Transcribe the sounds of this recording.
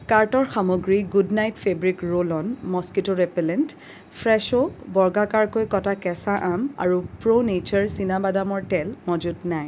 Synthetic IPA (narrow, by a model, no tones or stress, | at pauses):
kaɹtɔɹxamoɡɹiɡudnajtfʰebɹikɹolɔnmɔskitoɹɛpɛlɛnt | pʰɹɛʃobɔɹɡakaɹkojkɔtakɛsaʔama̰ɹupɹonet͡ʃaɹsinabadamɔɹtɛlmɔd͡ʒutnaj